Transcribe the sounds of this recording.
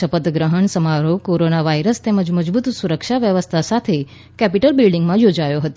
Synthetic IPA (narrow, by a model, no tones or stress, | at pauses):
ʃəpət̪ɡɾəɦəɳsəmaɾokoɾonaʋaiɾəst̪eməd͡ʒməd͡ʒbut̪suɾəkʃaʋjəʋəst̪ʰasat̪ʰe | kɛpiʈəlbɪlɖiŋɡmãjod͡ʒajoɦət̪